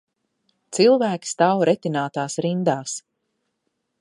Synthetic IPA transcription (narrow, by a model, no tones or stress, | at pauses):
t̪silˠvæːkʲi̥st̪awɾɛt̪inaːt̪aːsɾind̪aːs